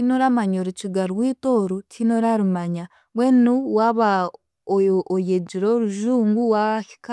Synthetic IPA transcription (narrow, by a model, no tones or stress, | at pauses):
tinoɾamaɲoɾut͡ʃiɡaɾwiːtoɾutʰinoɾaɾumaɲa | βwenuwaβa | oojed͡ʒiɾoɾuʒuːŋɡuwaβaki̥ka